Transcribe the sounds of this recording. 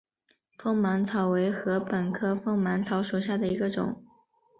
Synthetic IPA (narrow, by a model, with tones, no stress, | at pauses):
fɤ˥˩ŋma˧˥nt͡sʰɑ˨˥ʊwe˧˥ɪxɤ˧˥pə˨˩nkʰɤ˥fɤ˥ŋma˧˥nt͡sʰɑ˧˥ʊʂu˨˩ɕja˥˩d̪ə˩i˧˥ɡə˧ʈ͡ʂʊ̰˨˩˦ŋ